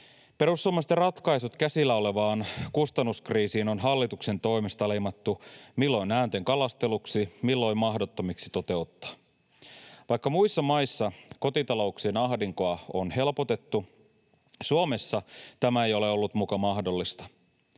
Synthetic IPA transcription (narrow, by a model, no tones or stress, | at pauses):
pe̞ɾusːuomest̪erɑt̪kɑisut̪kæsilːæo̞le̞ʋɑːnkust̪ɑnːuskriːsiːno̞nɦɑlːit̪ukse̞nt̪o̞imest̪ɑle̞jmɑt̪ːumilːo̞inæːnt̪eŋkɑlɑst̪e̞luksimilːo̞immɑɦdo̞t̪ːomiksi̥t̪o̞t̪e̞ut̪ːɑ̥ | ʋɑjkːɑmuisːɑmɑjsːɑko̞t̪it̪ɑlo̞uksiːnɑɦdiŋkoɑonhe̞lpo̞t̪e̞t̪ːu | suome̞sːɑt̪æmæe̞jo̞le̞o̞lːut̪mukɑmɑhdo̞lːist̪ɑ̥